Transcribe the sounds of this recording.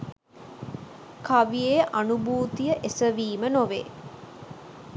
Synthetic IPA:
kaʋijeːʔanubuːt̪ijəʔesəʋiːmənoʋḛː

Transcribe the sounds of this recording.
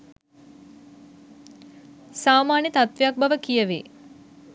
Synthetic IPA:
saːmaːnjət̪at̪ʋejak̚baʋəkijəʋḛ

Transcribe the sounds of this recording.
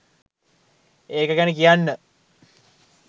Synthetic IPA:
eːkəkænikijanːə

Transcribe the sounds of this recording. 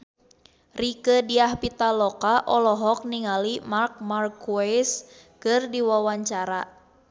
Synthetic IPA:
rikədiahpit̪alɔkaʔɔlɔɦɔk̚niŋalimark̚markuas | kɨrdiwawaɲt͡ʃaɾa

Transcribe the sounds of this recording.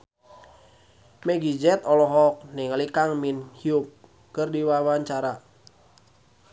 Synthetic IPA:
mɛɡid͡ʒɛt̪ɔlɔɦɔk̚nɪŋlikaŋminhiup̚ | kɨrdiwawaɲt͡ʃaɾa

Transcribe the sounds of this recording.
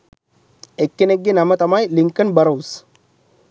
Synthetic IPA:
ekːineɡːinamɐt̪ɐmajliŋkɨnbɐɾows

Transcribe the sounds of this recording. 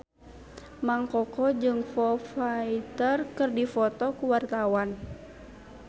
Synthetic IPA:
maŋkɔkɔd͡ʒɨŋfɔfait̪ərkɨrdifɔt̪ɔkuwart̪awan

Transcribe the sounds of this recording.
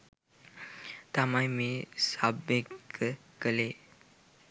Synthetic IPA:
t̪amajmisabekə | kəle

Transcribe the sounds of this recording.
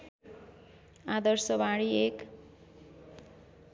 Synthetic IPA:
ad̪ʌrsʌbaɽiek

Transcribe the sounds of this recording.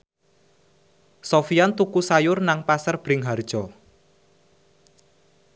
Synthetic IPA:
sɔfiant̪ukusajʊrnaŋpasərb̥ɾɪŋɦard̥ʒ̥ɔ

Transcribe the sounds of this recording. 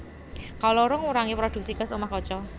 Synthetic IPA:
kalɔɾʊŋuɾaŋipɾɔd̪̥ṳk̚sikəsomahkɔt͡ʃɔ

